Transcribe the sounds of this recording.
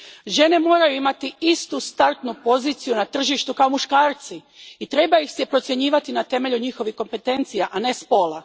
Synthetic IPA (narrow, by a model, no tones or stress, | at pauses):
ʒe̞ne̞mo̞ːɾajuimat̪iist̪ust̪aɾt̪nupo̞ziːt̪sijunat̪r̩ʒiʃt̪ukao̞muʃkaːɾt̪si | it̪ɾe̞baixsepɾo̞t̪sje̞ɲiːʋat̪inat̪e̞me̞ʎuɲixo̞ʋixko̞mpe̞t̪e̞nt̪sijaʔane̞spo̞ːla